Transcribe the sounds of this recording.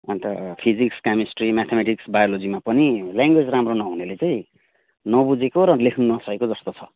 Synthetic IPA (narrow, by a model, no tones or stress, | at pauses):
ʌnt̪ʌpʰid͡zikskamisʈrimat̪ʰemeʈiksbajolod͡zimapʌnilaŋɡwed͡zramronʌɦunelet͡saĩ | nʌbud͡zekoɾʌlekʰnunʌsʌkekod͡zʌst̪ot͡sʰʌ